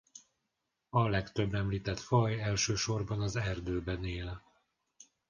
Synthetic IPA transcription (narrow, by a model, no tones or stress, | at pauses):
ɒlɛkt̪ø̞bːɛmliːt̪ɛt̪fɒjɛlʃøːʃo̞rbɒnɒzɛrd̪øːbɛneːlɛ